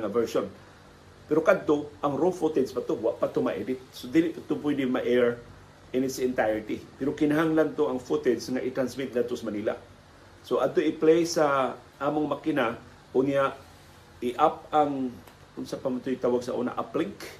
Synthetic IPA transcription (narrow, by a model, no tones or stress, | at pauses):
ŋavɛɹʃon | pɛɾokad̪̚t̪oʔɐŋɾolfut̪ɛd̪spɐt̪owaʔpat̪omɐ̰ʔɛd̪ɪt̪̚sod̪ilɪʔpat̪ʊp̬wɛd̪ɪmaʔɛɹ | ʔɛnɪt̪sɪnt̪ajɹt̪ipɛɾokɪnɐɦaŋlant̪oʔɐŋfut̪ɛd̪sŋaʔɪt̪ɾansmɪt̪̚ɡad̪t̪osamɐniːla̰ | soʔad̚t̪oʔɪplɛjsa | ʔaːmoŋmɐkɪna | ʔʊnjaʔ | ɪʔap̚aŋ | ʊnsapamat̪oɪt̪aːwaɡsɐʔṵːna̰ʔaplɪk